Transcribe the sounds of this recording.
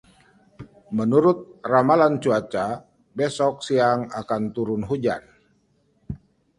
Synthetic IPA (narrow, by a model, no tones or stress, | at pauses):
mənuɾʊt̪̚ramalant͡ʃuat͡ʃa | bɛsɔk̚siaŋakant̪uɾʊnɦud͡ʒan